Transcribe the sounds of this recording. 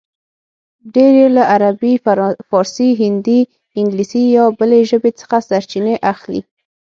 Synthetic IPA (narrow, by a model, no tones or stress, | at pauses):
ɖeɾelaʔaɾabifɑɾsiɦɪnd̪i | ɪŋɡlisijɑbəleʒəbet͡sə̥xasaɾt͡ʃineʔaxlḭ